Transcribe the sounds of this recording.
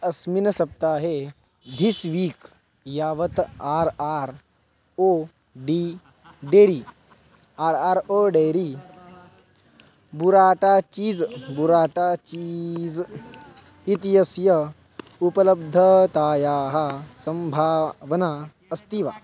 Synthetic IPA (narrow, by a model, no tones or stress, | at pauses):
ɐsminɐsɐp̚t̪aːɦe | d̪ʱisʋiːk | jaːʋɐt̪aːɾaːɾ | o | ɖiː | ɖeːɾiː | aːɾaːɾoːɖeːɾi | buɾaːʈaːt͡ʃiːd͡zbuɾaːʈaːt͡ʃid͡z | it̪ijɐsjɐ | upɐlɐbd̪ʱɐt̪aːjaːɦɐsɐmbʱaːʋɐnaː | ɐst̪iːʋaː